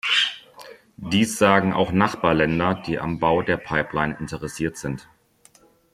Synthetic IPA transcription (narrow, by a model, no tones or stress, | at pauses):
d̥iːsz̥aːɡŋ̩ʔa̰ʊxnaχb̥aːɐlɛndɐd̥iːʔa̰mbaʊdeːɐpʰaɪplaɪnɪntəʁɛsiːɐtz̥ɪnt